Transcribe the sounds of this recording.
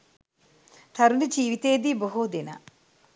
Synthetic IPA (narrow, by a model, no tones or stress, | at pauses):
t̪ʰɐɾunid͡ʒiːʋit̪eːd̪iboɦud̪ina̰